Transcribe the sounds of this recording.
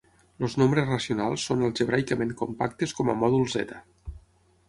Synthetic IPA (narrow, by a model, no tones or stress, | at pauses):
loznombɾezrəsiunalˠsːonəlˠʒəβ̞ɾajkəmeŋkompakt̪eskɔmə̰mɔðulˠzɛ̰t̪ə